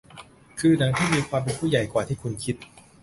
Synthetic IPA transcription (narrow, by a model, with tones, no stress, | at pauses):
kʰɯː˧na˩˦ŋt̪ʰiː˥˩miː˧kʰwaː˧mpe˧npʰuː˥˩ja˨˩jkwaː˨˩t̪ʰiː˥˩kʰu˧nkʰi˦˥t̪̚